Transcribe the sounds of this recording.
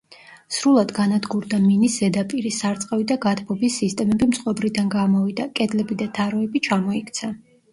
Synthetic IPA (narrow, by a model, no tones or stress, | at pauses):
sɾulˠad̪ɡanad̪ɡuɾd̪aminiszɛd̪apʼiɾisaɾt̪sʼqʼɛvid̪aɡat̪ʰbɔbisːist̪ʼɛmɛbimsʼqʼɔbɾid̪anɡamɔvid̪akʼɛd̪lɛbid̪at̪ʰaɾɔɛbit͡ʃʰamɔikʰt̪sʰa